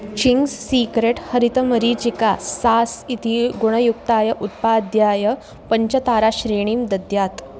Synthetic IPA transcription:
t͡ɕiŋɡssikɾeʈhəɾit̪əməɾiːt͡ɕikasasit̪iɡuɽ̃əjuk̚t̪aːjəʔut̪̚pad̪jaːjə | pəɲt͡ɕət̪aɾaɕɾeɽ̃iːmd̪əd̪jat̪

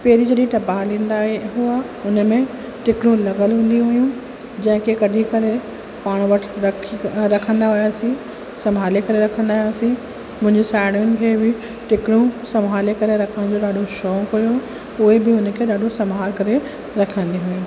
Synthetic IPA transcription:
pɛːɾid͡ʑɐɗĩʈ̪ɐbaɦlĩːnd̪aːɦeɦʊa | ʊnə̆mẽ | ʈɪkɽ̃ũlɐɡəlɦũːn̆d̪iɦʊjũ | d͡ʑɐ̃ɦɪ̃kʰekɐɗʱikɐɾe | paːɽ̃ũʋɐʈʰɾɐkʰɾɐkʰə̃nd̪aɦʊjaːsĩ | sɐmɦaːlekɐɾeɾɐkʰə̃nd̪aːɦʊjaːsĩ | mʊ̃ɦɪ̃ɲd͡ʑesaːɪɽ̃jʊnɪ̆kʰeːbɪ | ʈɪkɪɽũsɐmɦaːlekɐɾeɾɐkʰəɽ̃d͡ʑoːɗaːɗʱoʃɔːkojo | ʊɦebɪʊn̆kʰeːɗaːɗʱosɐmɦaːɾkɐɾe | ɾɐkʰə̃n̆d̪iɦʊĩ

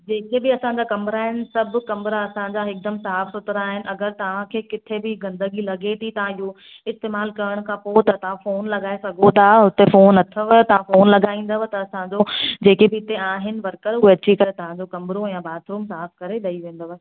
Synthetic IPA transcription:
d͡ʑeːkebɪɐsãɲd͡ʑaːkɐmɾaːɦɪnɪ̆sɐbʱkɐmɾaɐsãɲd͡ʑaɦɪk̚d̪ɐmsaːfsʊt̪ɾaːɦɪnɪ̆ʔɐɡəɾt̪ɐʋ̤ãkʰeːkɪt̪ʰebɪɡɐ̃nd̪əɡilɐɡet̪ʰit̪ɐʋ̤ãɪɦo | ɪst̪eːmaːlkɐɾəɽ̃kʰãːpot̪ɐt̪ɐʋ̤ãfoːnlɐɡaːesɐɡʱot̪ʰaɦʊt̪efoːnɐt̪ʰəʋət̪ɐʋ̤ãfoːnlɐɡaːĩːn̆d̪əʋət̪ɐːsãɲd͡ʑod͡ʑeːkebɪɪt̪eaːɦɪnɪ̆ʋɐɾkəɾʊɦeɐt͡ɕʰikɐɾet̪ɐʋ̤ãd͡ʑokɐmɾojãbaːd̪ɾuːmsaːfkɐɾeɗɐiʋẽːn̆d̪oʋ

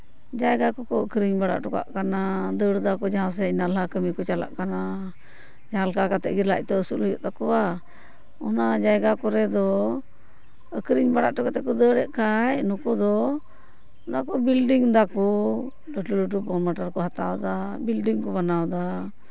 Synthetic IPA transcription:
d͡ʒajɡakɔkɔəkɾiɲbaɽa̰ʔʈɔka̰ʔkanad̪əɽd̪akɔd͡ʒaɦãs̬ɛinalakəmikɔt͡ʃala̰ʔkana | d͡ʒaalkakat̪ɛ̰ʔɡiɾla̰c̚ˀt̪ɔəsuləjɔ̰ʔt̪akɔwa | ɔnad͡ʒajɡakɔɾɛd̪ɔ | əkɾiɲbaɽa̰ʔʈɔkat̪ɛkɔd̪əɽɛʔkajnukɔd̪ɔ | ɔnakɔbilɖiŋd̪akɔ | ɖəʈuləʈ̬upɔɾmaʈaɾkɔɦat̪awd̪abilɖiŋkɔbanawd̪a

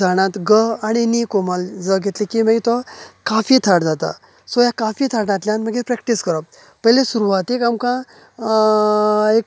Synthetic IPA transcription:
aɽ̃ãt̪ɡəaɽ̃inikɔmald͡zəɡʱet̪likiməɡit̪ɔkafit̪ʰaɽd͡zat̪a̰ | sɔjakafit̪ʰaɽnat̪ljanməɡepɾɛk̚ʈiskəɾəp̚ | pəɦjlesuɾuʋat̪ekamkã | ek̚

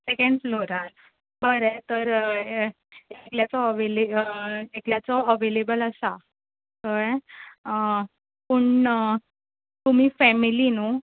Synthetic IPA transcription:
sekẽɳɖfloɾaɾ | bəɾet̪əɾ | ekljat͡sɔəʋeleekljat͡sɔəʋelebələsa | t̪əɛ | pəɳ | t̪um̤iːfɛmilinu

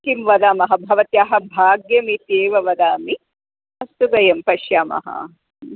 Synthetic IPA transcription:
kimʋɐd̪aːmɐɦɐbʱɐʋɐt̪jaːɦɐ̆bʱaːɡjɐmit̪eːʋɐʋɐd̪aːmi | ɐst̪uɡɐjɐmpɐʃjaːmɐ̰ɦɐ̰

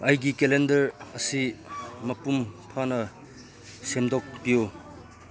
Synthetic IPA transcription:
ɐjɡikelendɐɾɐsimɐpumpʰanɐ | semdɔk̚bijo

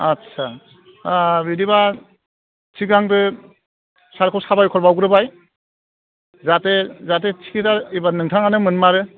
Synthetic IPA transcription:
atsʰa | bidiba | t͡ʃʰiɡaŋdɯ | saɾkʰɔwsabajkʰɔɾbawɡɯɾɯbaj | zatezat̬et͡ʃʰi̥kʰitaibanɯŋtʰaŋanɯmɯnmaɾɯ

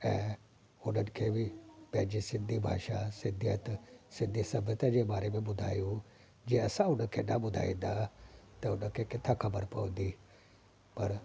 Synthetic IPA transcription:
ɛ̰̃ː | ʊnənɪ̆kʰeːbipɛ̃ːd͡ʑisɪ̃nd̪ʱibʱa̰ːʃasɪ̃nd̪ʱijət̪sɪ̃nd̪ʱisɐbʱət̪ad͡ʑebaːɾemẽbʊd̪ʱa̰ːju | d͡ʑeɐsãʊnəkʰenabʊd̪ʱa̰ːḭ̃nd̪at̪ɐʊnəkʰekɪt̪ʰːakʰɐbəɾpɐə̃nd̪iː | pɐɾ

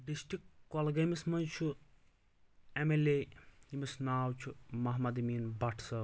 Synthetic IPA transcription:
ɖisʈikːolɡɐmismɐnt͡ʃʰu | emeleimisnaːwt͡ʃʰumɐɦmɐd̪imiːnbɐʈʰsɐ

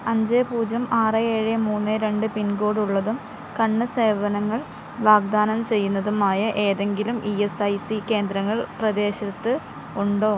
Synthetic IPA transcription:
ɐɲd͡ʑepuːd͡ʑɐmaːrɨeːɻemuːnːɨɾe̞ɳɖɨpinɡo̞ːɽuɭːɐðum | kɐɳːɨse̞ːʋɐnɐŋːɐɭ | ʋaːɡ̚d̪aːnɐmt͡ɕe̞jːunːɐðumaːjɐʔe̞ːðe̞ŋɡilumʔiesɐjsike̞ːnd̪ɾɐŋːɐɭprɐd̪e̞ːɕɐt̪ːɨ | uɳɖo̞ː

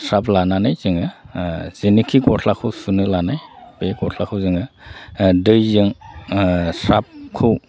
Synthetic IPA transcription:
sɾaplananajzɯŋɯz̥inikʰikɔtʰlakʰɯwsunɯlanajbekɔtʰlakʰɯwzɯŋɯ | dɯjzɯŋ | sap̚kʰɯw

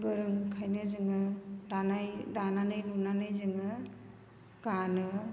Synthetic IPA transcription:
bɯɾɯŋkʰajnɯzɯŋɯdanajdananɯjlunanɯjzɯŋɯ | ɡ̥anɯ

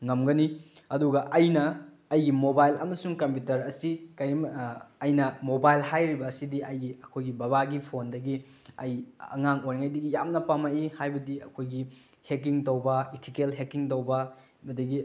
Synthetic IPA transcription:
ŋɐmɡɐni | ɐduɡɐʔɐjnɐː | jɡimobajlɐmɐsuŋkɐmp̬jutɐɾɐsikɐɾimɐjnɐmobajlhajɾibɐːsidiɐjɡiɐkʰojɡibɐβaɡipʰondɐɡi | ɐjɐ̰ŋaŋojɾiŋajdɐɡijamnɐpamaihajbɐdiɐ̰kʰojɡi | hek̬iŋtɐwbɐetʰikelɦekiŋt̬ɐwbɐ | bɐdɐɡi

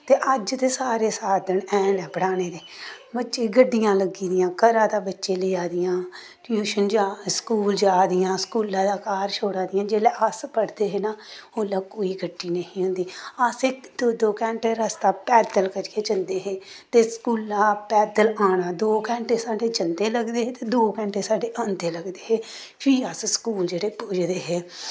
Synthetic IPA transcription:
t̪eːʔəd͡ʒt̪eːsaːɾeːsaːd̪əɳɛ̃ːnɛːpəɽaːneːd̪eː | bətːʃeːɡəɖːɪjãːləɡiːd̪ɪjãːkəɾãːd̪aːbətːʃeːleːaːd̪ɪjãː | ʈjuːʃənd͡ʒaːskuːld͡ʒaːd̪ɪjãːskuːlãːd̪aːkaːɾʃʰoːɽãːd̪ɪjãːd͡ʒeːlɛːʔəspəɽd̪eːɦeːnaːoːlaːkoːiːɡəɖːiːnəɦĩːɦʊ̃nd̪iːəsekd̪od̪oːkɛ̃ːɳʈeːɾəst̪aːpɛːd̪əlkəɾkeːd͡ʒənd̪eːɦeːt̪eːskuːlãːpɛːd̪əlaːɽaːd̪oːkɛːɳʈeːsaːɖeːd͡ʒənd̪eːləɡd̪eːɦeːt̪eːd̪oːkɛ̃ːɳʈeːsaːɖeːʔənd̪eːləɡd̪eːɦeː | pʰiəsskuːld͡ʒeːɽeːpʊd͡ʒd̪eːɦeː

